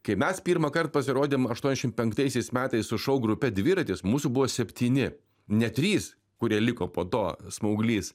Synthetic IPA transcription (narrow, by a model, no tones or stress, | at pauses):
kɐɪmʲɛspʲiːɾmɐkɐrt̪̚pɐsʲɪɾoːd̪ʲeːmɐʃt̪uɔnʲɛʃʲɪm̚ʲpʲɛŋk̚t̪ɐɪsʲɛɪsmʲæːt̪ɐɪssʊʃɐʊɡɾʊpʲɛd̪ʲʋʲɪɾɐt̪ʲɪsmuːsʊbʊʋoːsʲɛpʲt̪ʲiːnʲɪ | nʲɛt̪ʲɾʲiːs | kʊɾʲiɛlʲɪkoːpoːt̪oːsmɐʊɡlʲiːs